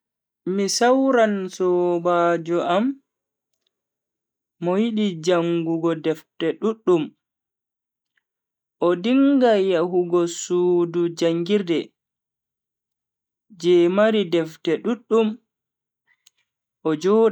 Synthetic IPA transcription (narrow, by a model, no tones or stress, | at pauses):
misawɾansɔbaːd͡ʒɔʔam | ɔjiɗid͡ʒaŋɡuɡɔdɛftɛɗuɗːum | ʔɔdiŋɡajaɦuɡɔsuːdud͡ʒaŋɡiɾdɛ | d͡ʒɛmaɾidɛftɛɗuɗːum | ʔɔd͡ʒɔːɗ